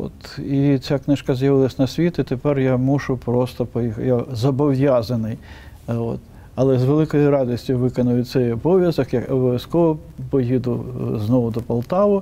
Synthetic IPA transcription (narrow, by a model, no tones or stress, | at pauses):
o̰t̪it͡sʲaknɪʃkɐzʲjɐʋɪlˠɐsʲnɐsʲʋʲit̪ɪt̪epɛrjamuʒʊpɾɔst̪ɔpɔjixjazɐbɔwjazɐnɪj | o̰t̪ | ɐlˠɛzʋelˠɪkɔjʊɾɑd̪ɔsʲtʲjʊʋɪkɔnʊjʊt̪sɛjɔbɔʋʲjɐzɐkjɐkɔbɔʋʲjɐskɔʋɔ | pɔjid̪ʊznɔʋʊd̪ɔpɐlˠt̪ɑʋʊ